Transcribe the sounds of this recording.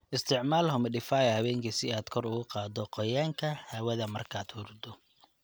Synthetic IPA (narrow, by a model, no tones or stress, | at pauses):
ʔɪst̪ʰɪʕmaːlɦɔmɪɖɪfaːjɐhɐβɛːŋkʰɐsɪaːd̪kʰɔrʊɣʊqɑːd̪ɔqɔjaːŋkʰɐhaːwɐðɐmɐrkʰaːd̪hʊrd̪ɔ